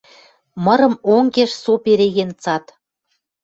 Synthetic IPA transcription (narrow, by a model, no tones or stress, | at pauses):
mɤ̆ɾɤ̆moŋkeʃsopeɾeɣent͡sɑt̪